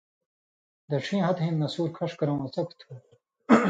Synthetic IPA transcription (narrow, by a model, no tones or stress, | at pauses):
d̪ɐʈ͡ʂʰĩːɦɐt̪ɦĩːnnɐsuːɾkʰɐʂkɐɾõwɐt͡sɐkʰt̪ʰuː